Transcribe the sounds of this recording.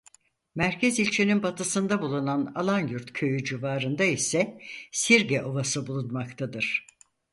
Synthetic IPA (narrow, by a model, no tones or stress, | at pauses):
mæɾcʰɛzilʲt͡ʃʰininbat̪ʰɯsɯnd̪abulˠunana̰lˠanjuɾt̪cʰø̞jyd͡ʒivaːɾɯnd̪aisɛsiɾɟɛʔo̞vasɯbulˠunmakt̪ʰad̪ɯɾ̥